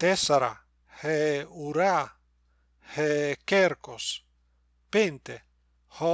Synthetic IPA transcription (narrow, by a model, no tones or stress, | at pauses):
t̪esaɾa̰ | heuɾa | hekeɾkos | pent̪e | ho